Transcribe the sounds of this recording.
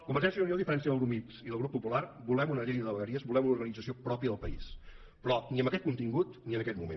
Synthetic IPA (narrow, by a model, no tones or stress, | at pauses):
kumbəɾʒɛnsjənuniolˠd̪ifəɾɛnsjəðəlˠɾumit̪siðəlˠɣɾupːupularbulɛmunəʎejəðəβəɣəɾiəzbulɛmunuɾɣənid͡zəsiopɾɔpiəðəlˠpəḭs | pɾɔniəmbəkɛt̪̚kunt̪iŋɡut̪niənəkɛt̪mumḛn